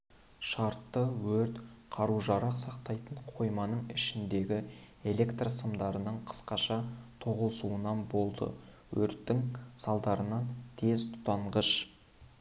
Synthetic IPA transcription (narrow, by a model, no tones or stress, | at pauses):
ʃɑɾt̪ːəwɵɾt̪qʰɑɾuʒɑɾɑqsɑqt̪ɑjt̪əɴqʰo̞jmɑnəɴɪʃɪnd̪e̞ɡʲɪ | e̞lʲe̞kt̪rsəmd̪ɑɾənəɴqʰə̥sqɑʃɑt̪ʰo̞ʁəlˠsuənɑnbo̞lˠd̪ə̰ | wɵɾt̪ːɪŋsɑlˠd̪ɑɾənɑnt̪ʰe̞zt̪ʰʊ̥t̪ɑɴʁəʃ